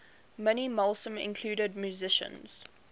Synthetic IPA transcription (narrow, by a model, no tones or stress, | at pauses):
mɪnimɔlˠsə̃mɪ̰̃nkʰl̥uːɾəd̚mjuzɪʃə̰̃nz̥